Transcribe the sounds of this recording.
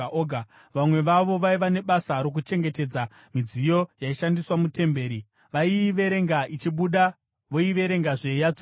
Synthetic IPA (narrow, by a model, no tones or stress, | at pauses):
a | ʋamwe̞ʋaʋo̞ʋaiʋane̞ɓasaɾok̬ut͡ʃe̞ŋɡe̞te̞d͡za | mid͡zijo̞jaiʃandiswamute̞mbe̞ːɾi | ʋaiʋe̞ɾe̞ŋɡait͡ʃiɓuɗa | ʋo̞iʋe̞ɾe̞ŋɡaʐejad͡zo